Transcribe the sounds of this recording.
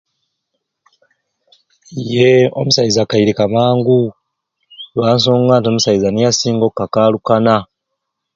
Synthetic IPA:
jeo̞̰musajizakaiɾikamaːŋɡu | lwaːns̬oːŋɡaːntio̞musajizanijasiːŋɡo̞kːakaːlukana

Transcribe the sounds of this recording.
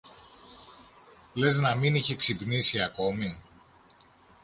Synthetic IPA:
le̞znɐminiçe̞ksipnisiɐko̞mi

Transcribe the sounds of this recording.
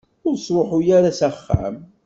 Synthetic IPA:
ʊɾsˤɾˤoħʊjaɾasæχːa̰m

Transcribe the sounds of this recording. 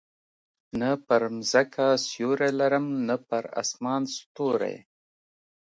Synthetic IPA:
nəpəɾmzakʰasjoɾelaɾəmnəpəɾa̰smɑnst̪oɾḛj

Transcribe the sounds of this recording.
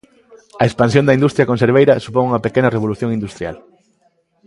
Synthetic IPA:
ɐekspans̬jõnd̪ɐind̪ust̪ɾjɐkõnseɾβejɾɐsupoŋuŋɐpekenɐreβoluθjõŋĩnd̪ust̪ɾja̰l

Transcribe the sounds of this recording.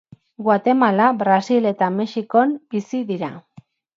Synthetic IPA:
ɡwat̪e̞malabɾasile̞t̪ame̞ʃiko̞mbisiðiɾa

